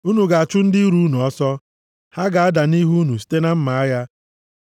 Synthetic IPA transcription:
u˦nu˨ɡa˨a˨t͡ʃʊ˦n̩˦dɪ˦i˦ɾu˦nu˨ɔ˦sɔ˦ | ha˦ɡa˨a˦da˨ni˦ɦu˦nu˨si̥˦te˦na˦m̩˦ma˨a˦ja˦

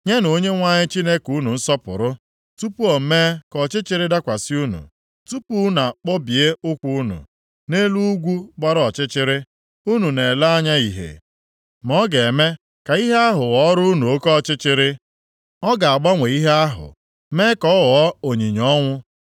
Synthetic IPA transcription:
ɲe˦no˦ɲe˦ŋʷa˦ɲɪ˦t͡ʃi˦ne˦ku˦nu˨n̩˦sɔ˦pʊ̰˨ɾʊ˦ | tu˦pu˦ɔ˨m̩˦meː˦kɔ˨t͡ʃɪ˦t͡ʃɪ˦ɾɪ˦da˦kʷa˨si˦u˦nṵ˨ | tu˦pu˦na˨k͡pɔ˦bje˦ʊ˦kʷu˦u˦nṵ˨ | ne˦lu˦ɡʷu˦ɡ͡ba˦ɾɔ˨t͡ʃɪ˦t͡ʃɪ˦ɾɪ˦ | u˦nu˨ne˨la˦a˦ɲa˦i˨ɦḛ˨ | mɔ˦ɡe˨me˦ | ka˨i˦ɦe˦a˦ɦʊ˨wɔ˨˦ɾu˦u˦nu˨o˦kɔ˦t͡ʃɪ˦t͡ʃɪ˦ɾɪ˦ | ɔ˦ɡa˨a˨ɡ͡ba˦ŋʷe˨i˦ɦe˦a˦ɦʊ̰˨ | me˦kɔ˦wɔ˨˦o˨ɲi˨ɲɔ˦ŋʷʊ˦

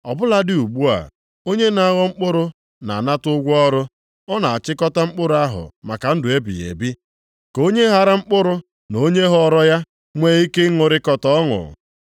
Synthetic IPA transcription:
ɔ˨bʊ˦la˦dɪ˦u˨ɡ͡bu˦a̰˨ | o˦ɲe˦na˨˦ɣɔ˦ŋ͡m̩˦k͡pʊ˦ɾʊ˦ | na̰˨a˨na˦tʊ˦ɡʷɔ˦ɾʊ˦ | ɔ˦na˨a˨t͡ʃɪ˦kɔ˦ta˦ŋ͡m̩˦k͡pʊ˦ɾʊ˨˦a˦ɦʊ̰˨ma˨ka˨n̩˦dʊ˨e˦bḭ˨jḛ˨bi˦ | ko˦ɲe˦ɦa˨ɾa˦ŋ͡m̩˦k͡pʊ˦ɾʊ˦ | no˦ɲe˦ɦɔ˦˨ɾɔ˦ja˦ | ŋʷe˦i˦kɪ˦ŋʊ˨ɾɪ˦kɔ˨tɔ˦ɔ˦ŋʊ̰˨

